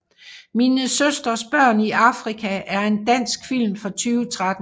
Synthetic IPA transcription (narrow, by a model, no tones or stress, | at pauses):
miːnəsøsd̥ʁɐsb̥ɶɐ̰niʔɑ̈fʁikʰæʔæɐe̝nd̥æn̰sɡ̥fil̰mfɒ̽t͡sʰyːʊt͡sʰʁad̥